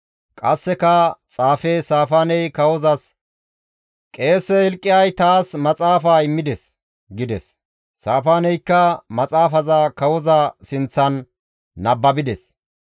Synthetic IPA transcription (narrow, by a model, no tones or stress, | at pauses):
kʼɐsːɛkɐt͡sʼaːfeːsaːfaːnɛjkɐwɔzɐs | kʼe̞ːsːɛhɛlkʼːɪjɐjt̪aːsmɐt͡sʼaːfaːɪmːɪd̪ɛs | ɡɪd̪ɛsː | aːfaːnɛjkːɐmɐt͡sʼaːfɐzakɐwɔzɐsɪnt͡sːɐnː | ɐbːɐbɪd̪ɛs